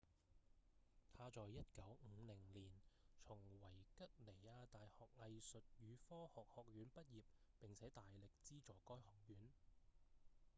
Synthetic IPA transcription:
t̪ʰaː˧t͡sɔː˨jːɐ˥t̚kɐ˨˥wŋ̩ː˨˧lɪ˨˩ŋliː˨˩nt͡ʃʰʊ˨˩ŋwɐ˨˩jkɐ˥t̚le˨˩jaː˧t̪aː˨jhɔː˨k̚ŋɐ˧jsɵ˨t̚jyː˨˧fɔː˥hɔː˨k̚hɔː˨k̚jyː˨˥npɐ˥t̚jiː˨˩p̚pɪ˨ŋt͡sʰɛː˨˥t̪aː˨jlɪ˨k̚t͡siː˥t͡sɔː˨˩kɔː˥jhɔː˨˩k̚jyː˨˥n

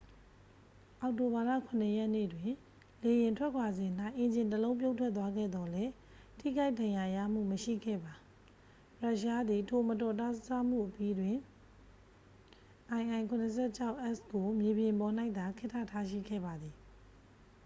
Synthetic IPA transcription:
ʔa˨ʊʔto˨ba˨la̰˦˨kʰʊ̃˨nə˨jɛ˦nḛ˦˨dwɪ̃˨ | le˨jɪ̃˨ntʰwɛ˦ʔkʰwa˨zɪ̃˨n̥a˦ɪʔɪ̃˨ɲd͡ʑɪ̃˨nt̬əlõ˦ʊ̃mp̬jo˦ʊ̃tʰwɛ˦t̪wa˦ɡɛ̰˦˨d̪ɔ˨lɛ˦ | tʰḭ˦˨ɡa˦ɪdã˨ja˨jä̰˦˨m̥ṵ˦˨məʃḭ˦˨ɡɛ̰˦˨ba˨ | ɹa˦ʔʃa˦d̪i˨tʰo˨mətɔ˨ta˦ssa˦m̥ṵ˦˨ʔəpji˦dwɪ̃˨ | ʔã˨ɪ̃ʔã˨ɪŋkʰʊ̃˨nə˨s̬ʰɛ˦˨t͡ɕʰa˦ʊʔɛ˦˨sko˨mje˨bjɪ̃˨mpɔ˨na˦ɪʔt̪a˨kʰɪ˦tʰːa̰˦˨tʰa˦ʃḭ˦˨ɡɛ̰˦˨ba˨d̪ði˨

